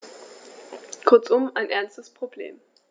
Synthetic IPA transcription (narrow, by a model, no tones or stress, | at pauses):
kʰʊɐt͡sʊmaɪnʔɛɐnstəspʁ̥oblḛːm